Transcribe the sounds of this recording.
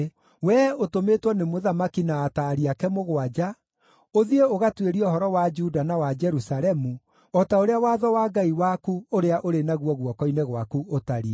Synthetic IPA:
wɛotometwɔnemoðamakinaːtaɾiakɛmoɣoad͡ʒa | oðieoɣatweɾiɔhɔɾɔwad͡ʒudanawad͡ʒɛɾusaɾɛmu | ɔtaoɾeawaːðɔwaːɡaiwakuoɾeaʔoɾenaɣwɔɣwɔkɔineɣwakuotaɾi

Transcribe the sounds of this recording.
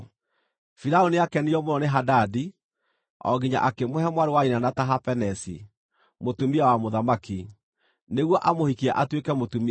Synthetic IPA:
fiɾaoniakɛniɔmoɾɔneɦadadi | ɔ̰ɡiɲa̰ʔakemohɛmwaɾewainanataɦapɛnɛsḭ | motumiawamoðamaki | neɣwɔʔamohikiɛʔatwekɛmotumi

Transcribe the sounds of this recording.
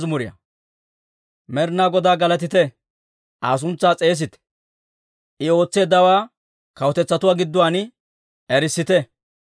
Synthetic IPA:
zmʊɾɪjɐ̰ | mɛɾnaːɡɔd̪aːɡɐlɐt̪̬ɪt̪ɛ | ʔaːs̬ʊnt͡sːaːt͡sʼe̞ːs̬ɪt̪ɛ̥ | ʔɪo̞ːt͡sːe̞ːd̪ːɐwaː | kɐwɔt̪ɛt͡sːɐt̪ʊwaːɡɪd̪ːʊwaːnɪ | ɛɾɪsːɪt̪ɛ

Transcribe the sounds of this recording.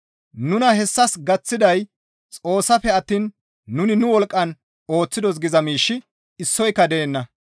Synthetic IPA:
nʊnɐhɛsːɐsɡɐt͡sːɪd̪ɐj | t͡sʼo̞ːsːɐfɛɐt̪ːiːnː | ʊnɪnʊwɔlkʼːɐn | o̞ːt͡sːɪd̪ɔs̬ɡɪzɐmiːʃːɪ | ɪsːɔjkːɐd̪eːnːɐ

